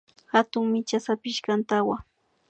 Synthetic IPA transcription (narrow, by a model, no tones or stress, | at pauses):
hat̪ʊŋmɪt͡ʃasapɪʃɢant̪awa